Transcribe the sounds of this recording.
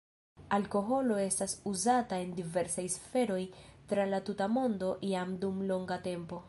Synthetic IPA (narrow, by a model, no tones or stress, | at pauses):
alko̞ɦo̞lo̞e̞stasuzatae̞ndive̞ɾsajsfe̞ɾo̞jtɾalatutamo̞ndo̞ʔiamdumlo̞ŋɡate̞mpo̞